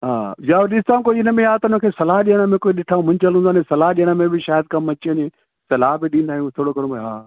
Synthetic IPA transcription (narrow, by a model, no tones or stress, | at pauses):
ɦa̰ːjaɗɪsɪt̪aːũkoːɪnə̆mẽjaːt̪ɐʊnəkʰeːsɐlaɦɗijəɽ̃əmẽkoːiɗɪʈʰaːũmʊ̃ɲt͡ɕəlɦũnd̪aːnẽsɐlaːɦɗijəɽ̃əmẽbɪʃaːjəd̪̚kɐmɐt͡ɕiɲẽ | sɐlaːɦbɪɗĩnd̪aːɦijũt̪ʰoːɽokɐɽũɦaː